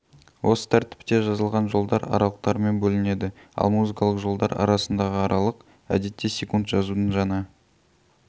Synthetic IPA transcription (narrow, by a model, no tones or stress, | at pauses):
wʔo̞sə̥t̪ʰæɾt̪ɪ̥pt̪e̞ʒɑzəlˠʁɑnʒo̞lˠd̪ɑɾɑ̰ɾɑlˠəq̚t̪ɑɾme̞nbɵlɪne̞d̪ɪɑ̰lˠmuzɨkɑlˠəqʒo̞lˠd̪ɑɾɑ̰ɾɑsənd̪ɑʁəɑɾʔɑlˠəq | æ̰d̪e̞t̪ːe̞sʲe̞kunt̪ʒɑzud̪ənʒɑnə